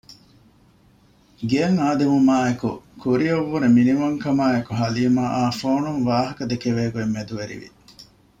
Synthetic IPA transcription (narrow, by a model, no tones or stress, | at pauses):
ɡeːŋaːd̪emumaːekṵkuɾiɐʋːuɾeminimɐŋkɐmaːekuɦɐliːmaːʔaːfoːnunʋaːɦɐkɐd̪ekeʋeːɡuemːed̪uʋeɾḭʋḭ